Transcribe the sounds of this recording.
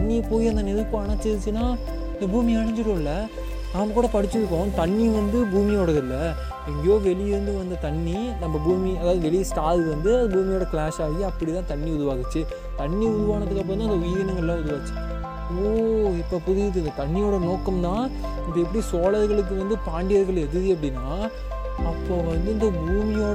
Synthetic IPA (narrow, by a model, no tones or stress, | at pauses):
tɐɳːɪɐpoːjiɐnd̪ɐnɪðɯpːɐ̃ɐɳɐt͡ʃːɛðt͡ʃːɯnːaː | ɪnd̪ɐbuːmiɐɽɐɲd͡ʒɪɽõːɪlːɐ | naːmɐkːuːɽɐpɐɽɪt͡ʃːɯɾɯk̬ːõːt̪ɐɳːiʋɐnd̪ɯbuːmɪjoːɽɐðɪlːɐ | ɛŋɡɐjoːʋɛɭɪjɪɾɯnd̪ɯʋɐnd̪ɐt̪ɐɳːi | nɐmːɐbuːmiɐðaːʋɐðɯʋɛɭɪjsʈaːlʋɐnd̪ɯɐðɐbuːmɪjoːɽɐkɭaːʂaːɣiɐpːɐɽit̪ãːt̪ɐɳːiʊðʊʋaːɣɯt͡ʃːɯ | t̪ɐɳːiʊðʊʋaːnɐt̪ːɯkːɐp̬ːɐɾnãːɪnd̪ɐʋɪjɐnɐŋɡɐɭlãːʊðɯʋaːɣɯt͡ʃːɯ̥ | oːɪpːoːpʊðɪjɪt̪̬ːɯɪnd̪ɐt̪ɐɳːɪjoːɽɐnoːkːɐmt̪ãː | nɐpːɐɛp̬ːɐɽisoːlɐɾɣɐɭɯk̬ːɯʋɐnd̪ɯpaːɳɖɪjɐɾɣɐɭɛðɯðiɐpːɐɽɪnːaː | ɐpːoːʋɐnd̪ɯɪnd̪ɐbuːmɪjoː